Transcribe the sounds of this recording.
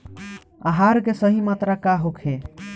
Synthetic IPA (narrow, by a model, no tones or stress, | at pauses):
aɦaɾkesəɦimat̪ɾakaɦokʰe